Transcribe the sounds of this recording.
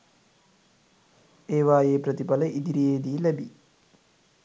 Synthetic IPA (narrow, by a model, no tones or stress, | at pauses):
eːʋaːjeːpɾət̪ipaləʔid̪iɾieːd̪iːlæbi